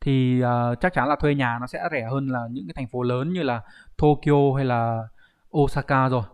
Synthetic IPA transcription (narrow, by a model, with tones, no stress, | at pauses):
t̪ʰi˨˩ʔəː˨˩t͡ɕa˦˥k̚t͡ɕa˨˦nlaː˨˩t̪ʰwe˧ɲaː˨˩nɔ˨˦sɛ̰˧˥zɛ˧˩həː˧nlaː˨˩ɲɨ̰˧˥kaː˨˦t̪ʰŋfo˨˦ləː˨˦nɲɨ˧laː˨˩t̪ʰo˧ki˧ʔo˧ɦa˧jlaː˨˩ | ʔo˧saː˧kaː˧zo˨˩j